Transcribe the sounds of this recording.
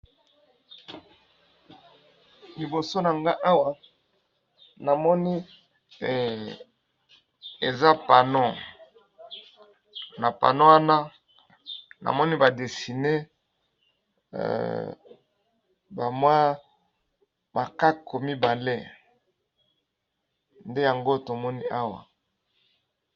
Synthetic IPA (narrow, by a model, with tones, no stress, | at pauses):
li˨bo˨so˦na˨ŋɡa˦ʔa˦wa˨ | na˨mɔ˦ni˦˨ | e˨za˦pa˨no˦ | na˨pa̰˨no˦wa˦na˦ | na̰˨mɔ˦ni˦ba˨de˨si˨ne˦˨ | ba˨mwa˦ | ma˨ka˦kʰo˨mi˦ba˨le˦ | nde˦ja˨ŋɡo˦to˨mɔ˦ni˦a˦wa̰˨